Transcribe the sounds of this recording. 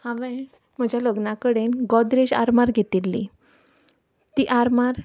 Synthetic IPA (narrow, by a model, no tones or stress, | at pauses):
hãʋɛ̃ | m̤əd͡ʑʱjaləɡnakəɽenɡɔd̪ɾeɕa̰ɾmaɾɡʱet̪ilːḭ | t̪iːʔaɾmaɾ